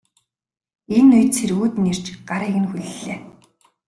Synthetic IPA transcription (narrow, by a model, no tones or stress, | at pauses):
enʊjt̪t͡sʰeɾuːt̪ner̥t͡ɕɢaɾeɣɘ̆nxuɮɮeː